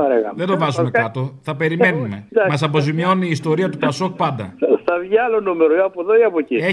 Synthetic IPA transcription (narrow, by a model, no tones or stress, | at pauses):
ɐɾeɣɐðed̪ovɐzume̞kɐt̪o̞θɐpe̞ɾime̞nume̞d̪ɐmɐs̬ɐp̬o̞zimio̞niːst̪o̞ɾiɐt̪upɐso̞k̚pɐnd̪ɐ̰θɐvʝiɐlonumeɾoiɐpoðoiɐpocie